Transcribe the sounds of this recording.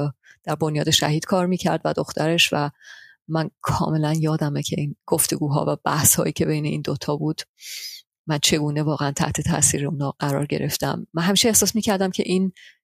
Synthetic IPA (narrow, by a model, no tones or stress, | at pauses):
d̪̥æɾbo̞njɒːd̪e̞ʃæ̰ɦiːd̪̥kʰɒːɾmiːcʰæɾd̪væ̰d̪o̞xt̪ʰæɾe̞ʃvæ | mænkʰɒ̰ːme̞lænjɒːd̪æmecʰe̞inɡ̥oft̪e̞ɡuːɦɒ̰ːvæb̥æhshɒːjiːcʲʰe̞be̞jne̞ʔḭnd̪ot̪ʰɒːbuːd̪̥ | mænt͡ʃʰe̞ɡuːne̞vɒːɣeænt̪ʰæ̰ht̪ʰe̞t̪ʰæ̰ʔsiːɾeunhɒːɢæɾɒ̰ːɾɟe̞ɾe̞ft̪æ̰mːænɦæmiːʃeehsɒːsmiːcʰæɾd̪æmcʲʰe̞̰ʔiːn